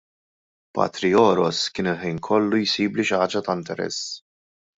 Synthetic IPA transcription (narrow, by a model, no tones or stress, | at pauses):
pɐ̰ːt̪ɾiɔːɾɔskɪːnɪlħɛjnkʰɔlːujsiːbliʃɐːd͡ʒɐt̪ɐɪnt̪ɛɾɛ̰sː